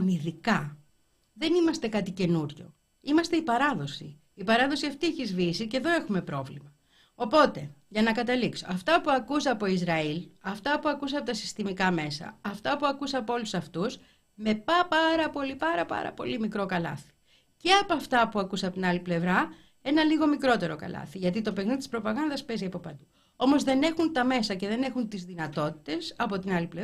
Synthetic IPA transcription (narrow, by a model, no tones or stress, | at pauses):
niðikɐ | ðe̞nimɐst̪e̞kɐt̪ice̞nuɾʝo̞̰ | imɐst̪e̞ipɐɾɐðo̞si | ipɐɾɐðo̞siɐft̪ieçizvisice̞ðo̞e̞xume̞pɾo̞vlimɐ | o̞po̞t̪e̞ʝɐnɐkɐt̪ɐlikso̞̰ɐft̪ɐpuɐkus̬eɐpo̞izɾɐilɐft̪ɐpuɐkus̬ɐpo̞t̪ɐsi̥st̪imikɐme̞sɐ̰ɐft̪ɐpuɐkusɐːpolusɐft̪us | me̞pɐpɐɾɐpo̞lipɐɾɐpɐ̰ɾɐ̰po̞̰limikɾo̞kɐlɐ̰θi̥ | ce̞ɐpoɐft̪ɐpuɐkusɐpo̞t̪inɐliple̞vɾɐ | e̞nɐliɣo̞mikɾo̞t̪e̞ɾo̞kɐ̰lɐ̰θiʝɐt̪it̪o̞pe̞ɣniðit̪i̥spɾo̞pɐɣɐnðɐspe̞ziɐpo̞pɐd̪u | o̞mo̞zðe̞ne̞xunt̪ɐme̞sɐce̞ðe̞ne̞xunt̪izðinɐt̪o̞t̪i̥t̪e̞sɐpo̞t̪inɐliple